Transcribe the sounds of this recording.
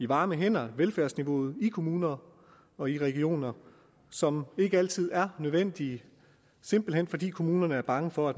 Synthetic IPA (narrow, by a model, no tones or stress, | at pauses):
iʋɑ̈ːməɦen̰ɐʋelfæɐsniʋo̝̰ːð̞̩ˠikʰo̝muːnɐ | ɒ̽iʁɛɡ̥io̝̰ːnɐ | sɒ̽me̝ɡ̥əæl̰t͡sʰið̞̰ˠæɐnøðˠʋen̰d̥i | se̝m̰b̥l̩henfɒ̽d̥ḭːkʰo̝muːnɐnəæɐb̥ɑ̈ŋəfɒ̽æd̥